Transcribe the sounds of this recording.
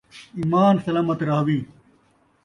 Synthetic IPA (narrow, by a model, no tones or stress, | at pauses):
iːmaːnsɐlaːmɐt̪ɾaːwiː